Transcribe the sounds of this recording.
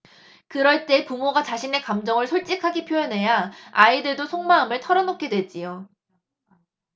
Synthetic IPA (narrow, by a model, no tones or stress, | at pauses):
kɯɾʌɭt͈e̞pumoɡat͡ɕaɕʰine̞kamd͡ʑʌŋɯɭsʰoɭt͡ɕ͈ikʰaɡipʰjojʌnɦe̞jaaidɯɭdosʰoŋmaamɯɭtʰʌɾʌnokʰe̞dwe̞d͡ʑ͈ijo